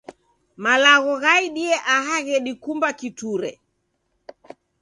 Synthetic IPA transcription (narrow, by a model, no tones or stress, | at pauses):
malaɣɔɣaiɗiɛʔaɦaɣɛɗikumbakituɾɛ̰